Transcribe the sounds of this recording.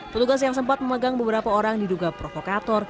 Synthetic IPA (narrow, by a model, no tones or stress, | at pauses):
pət̪uɡas̬jaŋs̬əmpat̪̚məməɡaŋbəbəɾapaoɾaŋdiduɡapɾofokat̪ɔr